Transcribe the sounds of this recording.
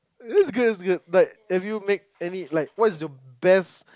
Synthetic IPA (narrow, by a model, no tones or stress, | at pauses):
ɪtsɡʊdɪts̬ɡʊd̚laɪk̚ɛfjumek̚ɛnilaɪk̚wɔtɪsjɔbɛs